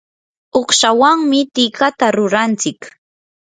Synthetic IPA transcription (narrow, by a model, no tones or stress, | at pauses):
oχʃawaŋmɪt̪ɪkat̪aɾʊɾant͡sɪk